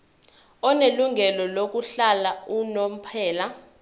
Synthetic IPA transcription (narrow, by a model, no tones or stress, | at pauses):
ɔneluŋʱɛlɔlok̬uɬalaunom̩pʰɛːla